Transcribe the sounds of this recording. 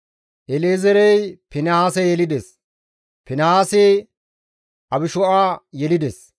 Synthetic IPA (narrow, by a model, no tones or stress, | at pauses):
ʔɛleːzɛɾɛjpɪnɐaːsɛjɛlɪd̪ɛs | pɪnɐaːsɪ | ɐbɪʃɔʔaːjɛlɪd̪ɛs